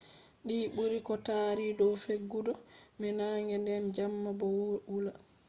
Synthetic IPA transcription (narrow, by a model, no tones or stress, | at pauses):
ɗiːɓuɾikɔtaːɾidɔwfeɡːudɔmɛnaːŋɡɛndɛnd͡ʒamːabɔwula